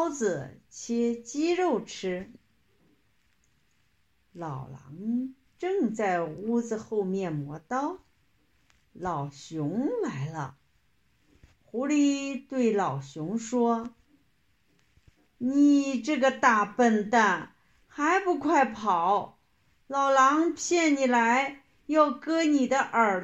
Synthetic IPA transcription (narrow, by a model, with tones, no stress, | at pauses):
ʊd͡zɹ̩˩t͡ɕʰɛ˥t͡ɕi˥ɻo˥˩ʊʈ͡ʂʰɻ̩˥ | lɑ˨˩ʊlɑ̰˧˥ŋ | ʈ͡ʂɤ˥˧ŋt͡sa˥˩ɪu˥d͡z̩˧xo˥˧ʊmjɛ˥˩nmwɔ˧˥t̪ɑ˥ʊ | lɑ˨˩ʊɕjʊ˧˥ŋla˧˥ɪlə̰˧ | xu˧˥li˧˥t̪we˥˩ɪlɑ˨˩ʊɕjʊ˧˥ŋʂwɔ˥ | ni˨˩ʈ͡ʂɤ˥˩ɡə˩t̪a˥˧pə˥˧nt̪a˥˩n | xa˧˥ɪpu˧˥kʰwa˥˩ɪpʰɑ˨˩˦ʊ | lɑ˨˩ʊlɑ˧˥ŋpʰjɛ˥˩nni˨˩la˧˥ɪ | jɑ˥˩ʊkɤ˥ni˨˩d̪ə˦ʔə˞˨˩